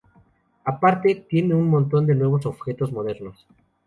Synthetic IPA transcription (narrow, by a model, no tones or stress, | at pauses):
apaɾt̪e̞t̪je̞ne̞unmõnt̪̬o̞nd̪enwe̞β̞o̞so̞βxe̞t̪o̞zmo̞ð̞e̞ɾno̞s